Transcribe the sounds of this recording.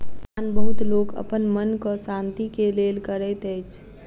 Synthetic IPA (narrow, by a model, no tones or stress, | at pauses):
aːnbəɦʊt̪loːɡə̰pənmənkosãːnt̪ikeleːlkəɾɛt̪ɛt͡ʃʰ